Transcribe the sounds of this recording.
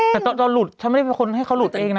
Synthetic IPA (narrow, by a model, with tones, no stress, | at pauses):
t̪ɛː˨˩t̪ɔː˧t̪ɔː˧lu˨˩t̪̚t͡ɕʰnm˥˩˥pe˧ŋkʰo˧nɦa˥˩jkʰa˦˥wlu˨˩t̪̚ʔeː˧ŋna˦